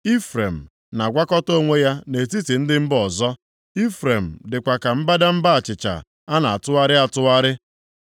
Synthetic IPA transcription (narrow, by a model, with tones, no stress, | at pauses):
i˦fɾe˨m̩˨ | na˨ɡʷa˦kɔ˦to˦ŋʷe˦ja˦ne˨ti˦ti˨n̩˦dɪ˦m̩˦bɔ˨zɔ˦ | i˦fɾe˨m̩˨dɪ˨kʷa˨ka˨m̩˦ba˦da˦m̩˦ba˦a˨t͡ʃɪ˨t͡ʃa̰˨ | a˦na˨a˨tʊ˦a˦ɾɪ˦a˨tʊ˦a˦ɾɪ˦